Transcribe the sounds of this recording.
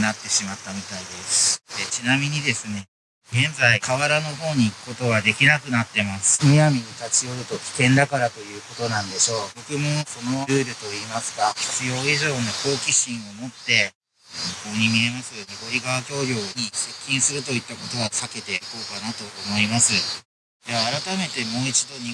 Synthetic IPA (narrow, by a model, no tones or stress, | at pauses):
nat̪ːe̞ɕimat̪ːamʲit̪aid̪e̞sɨ̥d̪et͡ɕinamʲiɲ̟id̪e̞sɨne̞ | ɡẽ̞nd͡zaikʰaβaɾano̞ɦo̞ːɲ̟iːkɯ̥ko̞t̪o̞ɡad̪e̞kʲinakɯ̟nat̪ːe̞masɨ̥mʲiamʲiɲit̪at͡ɕio̞ɾɯ̟t̪o̞kʲi̥kẽ̞nd̪akaɾat̪o̞jɯ̟ːko̞t̪o̞nãnd̪e̞ɕo̞ːbo̞kɯ̟mo̞so̞noɾɯ̟ːɾɯ̟t̪o̞iːmasɨ̥ɡaçi̥t͡sɨjo̞ːiʑo̞ːno̞ko̞ːkʲiɕĩɰ̃o̞mo̞t̪ːe̞ | çikoːɲ̟imʲie̞masɨjnoɡo̞ɾʲiɡaβakʲo̞ːɾʲjo̞ːɲ̟ise̞kʲːĩɰ̃sɨɾɯ̟t̪o̞it̪ːako̞t̪o̞βasake̞t̪e̞iko̞ːkanat̪o̞ːmo̞imasɨ | d̪eaːɾat̪ame̞t̪e̞mo̞ːit͡ɕid̪o̞ɲ̟i